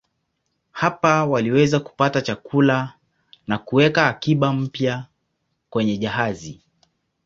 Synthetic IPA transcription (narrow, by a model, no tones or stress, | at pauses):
hapawaliwɛzaku̥patat͡ʃakula | nakuwɛkaːkiɓam̩pja | kwɛɲɛʄaɦazi